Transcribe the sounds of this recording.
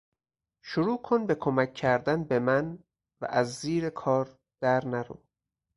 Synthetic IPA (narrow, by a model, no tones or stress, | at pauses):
ʃoɾuːkʰonbe̞kʰomæcʰːæɾd̪ænbe̞mæn | væ̰ʔæzːiːɾe̞kʰɒːɾ | d̪̥æɾnæɾṵː